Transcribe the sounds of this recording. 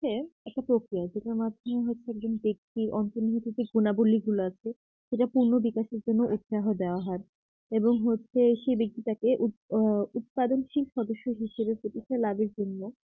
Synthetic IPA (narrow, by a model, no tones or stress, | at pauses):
eɛk̚ʈapɾokɾijad͡ʑeʈaɾmad̪ʱomeɦotːɕʰeɛk̚d͡ʑonbek̚t̪iɾʔɔnt̪oniɦit̪id͡ʑeɡunabolːiɡuloat͡ɕʰe | ʃeʈapuɾnobikaʃeɾd͡ʑonːoʔut̪ʃaɦod̪eoaɦɔɾ | eboŋɦotːɕʰeʃebek̚t̪it̪akeʔuut̪̚pad̪onʃilʃɔd̪oʃːoɦiʃebepoʈit͡ɕʰelabeɾd͡ʑonːo